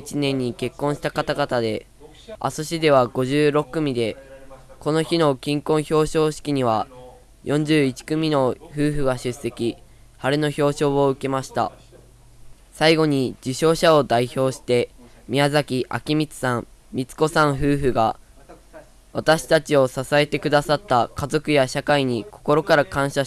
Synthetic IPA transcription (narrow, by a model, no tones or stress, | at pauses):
t͡ɕinẽ̞ɲ̟ːike̞kːõɰ̃ɕi̥t̪akat̪aɡat̪ad̪e̞ | a̰soɕid̪e̞β̞aɡo̞ʑɨːɾo̞kːɯ̟mʲid̪e̞ko̞no̞çino̞kʲĩŋkõɰ̃ço̞ːɕo̞ːɕi̥kʲiɲ̟iβa | jʔõ̞ɲ̟d͡ʑɨːit͡ɕi̥kɯ̟mʲino̞ɸɯ̟ːɸɯ̟ɡaɕɨsːe̞kʲi | haɾɯno̞ço̞ːɕo̞ːoɯ̟ke̞maɕi̥t̪a̰ | saiɡo̞ɲ̟id͡ʑiɕo̞ːɕao̞d̪aiço̞ːɕi̥t̪e̞ | mʲiazakʲiʔa̰kʲimʲit͡sɨ̥sãmmʲit͡sɨ̥ko̞sãɰ̃ɸɯ̟ːɸɯ̟ɡa | βat̪aɕi̥t̪at͡ɕio̞sasae̞t̪e̞kɯ̟d̪asat̪ːakazo̞kɯ̟jaɕakaiɲ̟iko̞ko̞ɾo̞kaɾakãɰ̃ɕa